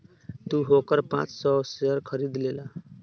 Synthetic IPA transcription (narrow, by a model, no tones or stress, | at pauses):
t̪uɦokəɾpã̰t͡ssɔseəɾkʰəɾid̪lela